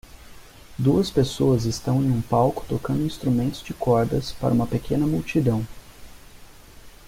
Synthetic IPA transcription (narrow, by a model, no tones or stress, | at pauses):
d̪uɐspesoɐzɪst̪ɐ̃w̃ẽj̃ũpawkʊ̥t̪okɐ̃nd̪ʊĩst̪ɾumẽnt̪ʊzd͡ʒɪkɔɾd̪ɐspa̰ɾɐũmɐpekʰẽnɐmuwt͡ʃid̪ɐ̃w̃